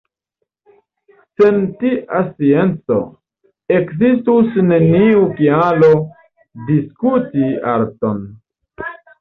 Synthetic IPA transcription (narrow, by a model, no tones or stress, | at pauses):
se̞ntiʔasie̞nt͡so̞̰ | e̞kzistusne̞niukialo̞ | diskutiaɾto̞n